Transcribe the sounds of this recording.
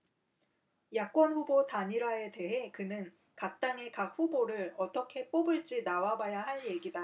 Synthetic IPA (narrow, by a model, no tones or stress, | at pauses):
jak̚k͈wʌnɸubotaɲiɾae̞te̞ɦe̞kɯnɯn | kak̚t͈aŋe̞kak̚ɸuboɾɯɭʌt͈ʌkʰe̞p͈obɯɭt͡ɕ͈inawabajaɦaɭje̞ɡida